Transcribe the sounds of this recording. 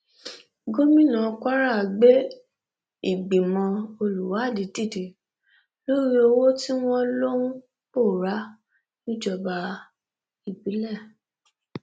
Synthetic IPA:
ɡo˦mĩ˦nã˨ka˦ɾa˦˨ɡ͡be˦ | i˦˨ɡ͡bi˨mɔ̃˧o˧lu˨wa˨˦˨di˨˦di˦˨de˨ | lo˦ɾi˦o˧wo˦ti˦w̃ɔ̃˦lo˦nũ˦ | bo˦˨ɾa˦ | nĩ˦d͡ʒɔ˨ba˧ | i˨bi˨˦lɛ˦˨

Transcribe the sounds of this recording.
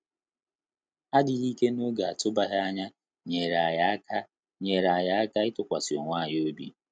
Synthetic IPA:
a˦dɪ˨ɣi˦ke˦no˦ɡa˨a˨tʊ˦ba˨ɦɪ˦a˦ɲa˦ | ɲe˨ɾa˨ja˦ka˦ | ɲe˨ɾa˨ja˨˦a˦ka˦ɪ˦tʊ˨kʷa˨si˨o˨ŋʷaː˦˨ɲ˦o˦bi˦

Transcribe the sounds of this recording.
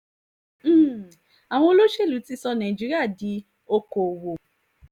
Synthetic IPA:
a˨w̃ɔ̃˧o˧lo˦ʃe˦˨lu˨˦ti˦sɔ˧nã˨d͡ʒi˨˦ɾi˦a˦˨di˨˦ | o˧ko˨wo˨

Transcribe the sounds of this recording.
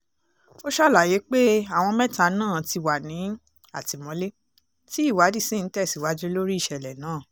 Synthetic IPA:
o˦ʃɔ˦˨la˨je˨˦k͡pe˦a˦˨w̃ɔ̃˧mɛ̃˦ta˧˦nãː˦˨ti˧wa˨nĩ˨˦ | a˦˨ti˨mɔ̃˨˦le˦ | ti˦i˦˨wa˨˦di˦˨sĩ˦˨n̩˨˦tɛ˦˨si˨wa˨˦d͡ʒe˦lo˦ɾi˦ʃɛ˧˨lɛ˨nãː˦˨

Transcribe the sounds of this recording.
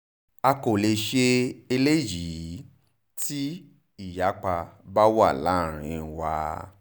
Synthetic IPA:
a˧ko˨le˧ʃe˧e˧le˦ji˨˦ | ti˦ | i˦˨ja˨˦k͡pa˧ba˦wa˦˨la˨˦˨ɾ̃ĩ˧wa˧

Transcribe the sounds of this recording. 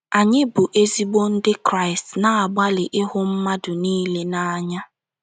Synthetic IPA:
a˨ɲɪ˦bʊ˨ʔe˦zi˦ɡ͡bo˦n̩˦dɪ˦kɾa˦ɪ˨stna˨a˨ɡ͡ba˦lɪ˨ʔɪ˦ɦʊ˦m̩˦ma˦dʊ˨niː˦le˦na˦a˦ɲa˦

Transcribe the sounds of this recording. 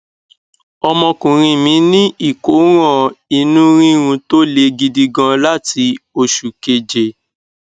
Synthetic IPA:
ɔ˧mɔ̃˧kũ˨ɾ̃ĩ˧mĩ˨˦nĩ˦ʔi˦˨ko˨˦ɾ̃ɔ̃˦˨i˧nũ˦ɾ̃ĩ˦ɾ̃ũ˧to˦le˧ɡi˧di˧ɡã˧la˦ti˧o˧ʃu˨ke˧d͡ʒe˨

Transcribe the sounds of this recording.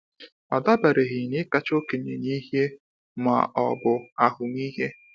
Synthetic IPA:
a˨da˦ba˨ɾe˨ɣɪ˨nɪ˦ka˦t͡ʃo˦ke˨ɲe˨ni˦ɦe˦ | ma̰˨ʔɔ̰˨bʊ˨a˨ɦʊ˨m˦i˦ɦe˦

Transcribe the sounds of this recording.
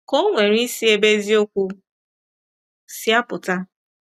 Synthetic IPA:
ko˦ŋʷe˨ɾ̃i˦si˦e˨be˦zi˦o˦kʷu˧ | si˦a˦pʊ˨ta˦

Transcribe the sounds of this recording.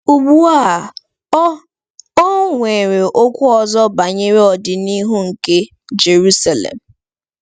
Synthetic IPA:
u˨ɡ͡bu˦a˦a˨ | ɔ˦ŋʷe˨ɾe˨ʔo˦kʷʊ˦ɔ˨zɔ˦ba˨ɲe˦ɾe˦ɔ˨dɪ˨ni˦ɦu˦ŋ̩˨ke˦ | d͡ʒe˨ɾu˦sa˨lḛ˨m̩˨

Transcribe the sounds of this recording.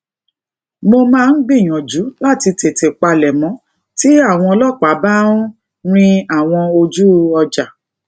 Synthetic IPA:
mo˧mãː˦˧n̩˦ɡ͡bĩ˦˨j̃ɔ̃˨d͡ʒu˨˦la˦˨ti˧te˨te˨k͡pa˧lɛ˨mɔ̃˨˦ | ti˦a˦˨w̃ɔ̃˧ɔ˧lɔ˦˨k͡pa˨˦ba˦nu˦ | ɾ̃ĩ˦a˦˨w̃ɔ̃˧o˧d͡ʒu˦ɔ˧d͡ʒa˨

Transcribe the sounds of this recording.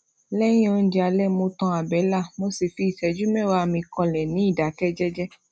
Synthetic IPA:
lɛ˦j̃ĩ˦o˧n̩˦d͡ʒɛ˧a˧lɛ˦˨mo˧tɔ̃˧a˨bɛ˨˦la˦˨mo˦si˨fi˧i˨tɛ˨d͡ʒu˦mɛ̃˦˨wa˧mĩ˧kɔ̃˧lɛ˨nĩ˨˦i˦˨da˨˦kɛ˦d͡ʒɛ˦d͡ʒɛ˦

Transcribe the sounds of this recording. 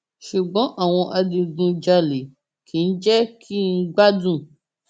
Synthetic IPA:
ʃu˨ɡ͡bɔ̃˨˦ʔa˨w̃ɔ̃˧ʔa˧dĩ˧ɡũ˧d͡ʒa˧le˨ | kʰĩ˨n̩˦d͡ʒɛ˦kʰi˦n̩˦ɡ͡ba˦dũ˦˨

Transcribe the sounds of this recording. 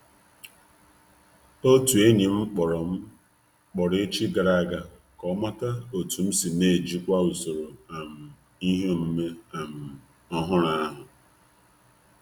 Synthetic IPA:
o˦tu˨e˦ɲi˨m̩˦k͡pɔ˨ɾɔ˨m̩˦ | k͡pɔ˨ɾe˦t͡ʃi˦ɡa˨ɾa˦˨ɡa˦ | kɔ˦ma˦ta˦o˨tu˨m̩˦si˨ne˦˨d͡ʒi˦kʷa˦u˨so˨ɾo˨a˨m̩˨ | i˦ɦo˦˨m̩˦me˦a˨m̩˨ | ɔ˦ɦʊ˦ɾa˦a˦ɦʊ˨

